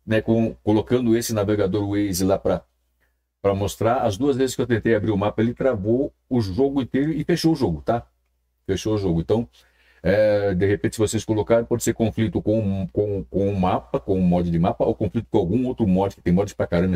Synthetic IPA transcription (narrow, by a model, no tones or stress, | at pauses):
nɛkõkolokɐ̃nd̪ʊesɪnaveɡad̪oɾuejzɪlapɾɐ | pɾɐmost̪ɾaɾɐzd̪uɐzvezɪskewt̪ẽnt̪ejabɾiɾʊmapɐelɪt̪ɾavo | ʊʒoɡʊĩnt̪ejɾʊɪfeʃoʊʒoɡʊt̪a | feʃoʊʒoɡʊẽnt̪ɐ̃w̃ | ɛd̪eɦepẽnt̪ɪ̥sɪvoseskolokaɾẽpɔd͡ʒɪseɾkõflit̪ʊkõkõkõʊmapɐkõʊmɔd͡ʒɪd͡ʒɪmapɐokõflit̪ʊ̥kõawɡũowt̪ɾʊmɔd͡ʒɪkɪt̪ẽj̃mɔd͡ʒɪd͡ʒɪpɾakaɾɐ̃mɐ